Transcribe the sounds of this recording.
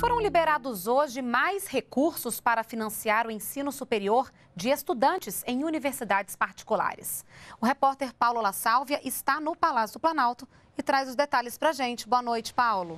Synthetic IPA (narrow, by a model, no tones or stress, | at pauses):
foɾɐ̃w̃libeɾad̪ʊzoʒɪmajshekuɾsʊspaɾɐfinɐ̃siaɾʊẽsĩnʊsupeɾioɾ | d͡ʒɪest̪ud̪ɐ̃nt͡ʃɪsẽj̃univeɾsid̪ad͡ʒɪspaɾt͡ʃi̥kula̰ɾɪ̰sʊɦepɔɾt̪eɾpawlʊlasawviɐʔɪst̪anʊpalasjʊd̪ʊplɐ̃nawt̪ʊ | ɪt̪ɾajzʊzd̪et̪alɪspɾɐʒẽnt͡ʃɪ̥bõɐnojt͡ʃɪ̥pawlʊ